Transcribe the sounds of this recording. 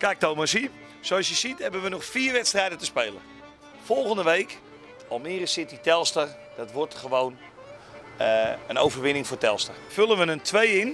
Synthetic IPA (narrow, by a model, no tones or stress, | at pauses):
kak̚towməsi | sowɔsjəsithɛbənʋənɔxfiːrʋɛtstrɛjdətəspeːlˠə̰ | fɔlˠɣəndəʋejk | ɔlˠmɪːrəsɪtitɛlˠstər | d̥ɔtʋɔrtχəʋown | əno̰wvərʋɪnɪŋfoːrtɛlˠstərfølˠənʋənəntʰʋejɪn